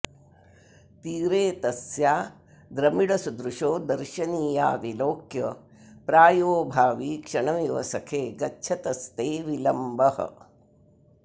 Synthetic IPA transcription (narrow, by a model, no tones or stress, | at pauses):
t̪iːɾeːt̪ɐsjaː | d̪ɾɐmiɽɐsud̪ɾuʂoːd̪ɐɾʃɐniːja̰ːʋiloːkjɐ | pɾaːjoːbʱaːʋiːkʂɐɳɐʋiʋɐ̰sɐkʰeːɡɐtːt͡ʃʰɐt̪ɐst̪eːʋilɐmbɐhɐ̰